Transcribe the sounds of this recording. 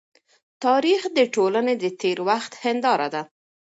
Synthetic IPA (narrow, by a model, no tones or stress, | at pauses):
t̪ɑɾixd̪əʈolaned̪ət̪eɾwaxt̪hɪnd̪ɑɾa̰d̪a